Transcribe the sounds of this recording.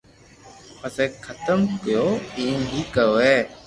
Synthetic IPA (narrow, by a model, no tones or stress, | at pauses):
pəseːkʰət̪əmkɪjoːiːnbʱiːkəjoːɦeː